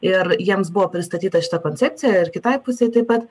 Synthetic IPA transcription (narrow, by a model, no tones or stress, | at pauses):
ɪrjiɛmsbʊʋoːpʲɾʲɪst̪ɐt̪ʲiːt̪ɐʃʲɪ̥t̪ɐkoːnʲt͡sʲɛp̚ʲt͡s̪ʲɪjæɪrkʲɪt̪ɐɪpʊsʲɛɪt̪ɐɪpɐt̪